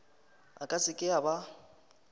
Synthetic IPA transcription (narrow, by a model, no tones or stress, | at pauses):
a̰kʼasɪkʼɪaba